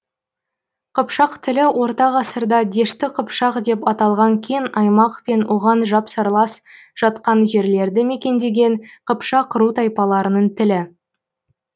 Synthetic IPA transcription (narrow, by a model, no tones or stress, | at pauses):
qʰəpʃɑqt̪ʰɪlɪwo̞ɾt̪ɑʁɑsəɾd̪ɑd̪e̞ʃt̪ɪqʰəpʃɑqd̪e̞pɑt̪ɑlˠʁɑŋkʲʰenɑjmɑqpe̞nwʔoʁɑnʒɑpsəɾlˠɑs | ʒ̥ɑt̪qɑnʒe̞ɾle̞ɾd̪ɪme̞kʲe̞nd̪e̞ɡʲe̞ɴqʰəpʃɑqʰəɾut̪ʰɑjpɑlˠɑɾənəɴt̪ʰɪlɪ